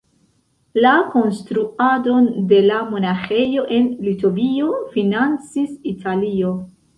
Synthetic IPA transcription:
lako̞nstɾuado̞nde̞lamo̞naxe̞jo̞ʔe̞nlito̞vio̞finant͡sisitʰalio̞

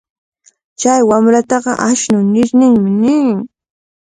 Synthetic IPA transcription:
t͡ʃajwamɾat̪ɑɢɑ̰ʔaʃnʊnɪɾnɪŋmɪnɪŋ

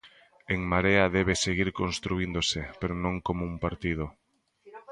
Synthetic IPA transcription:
eŋmaɾeaðɛβeseɣiɾkonst̪ɾuind̪osɪpeɾonõŋkomouŋpaɾt̪ið̞o

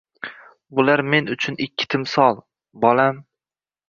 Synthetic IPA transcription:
bʊlaɾme̞nʊt͡ʃʰʊnɪkʲʰːɪ̥t̪ʰɪmsɒlˠ | bɒlam

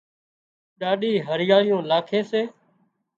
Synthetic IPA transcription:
ɗaːɗiːɦəɾɪjaːɽɪjõːlaːkʰeːseː

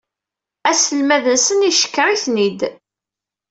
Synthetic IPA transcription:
æsəlmæðənsəniʃə̥kːəɾiθnid̪

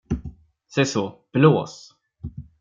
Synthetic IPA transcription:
sɛsɔb̥loːs

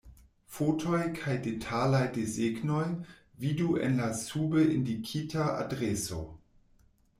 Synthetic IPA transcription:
fotʰojkʰajdetʰalajdezeɡnoj | viduḛnlasubəʔindikʰitʰaa̰dɾeso̰

